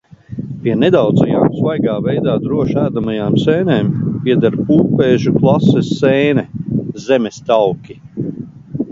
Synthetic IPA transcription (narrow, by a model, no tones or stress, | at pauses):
piɛned̪awd̪zaja̰ːksvajɡaːvɛjd̪aːd̪ɾuɔʃæːd̪amajaːmsɛːneːmpiɛd̪aɾpuːpeːʒuklˠasɛsːeːnɛzemɛst̪awkʲi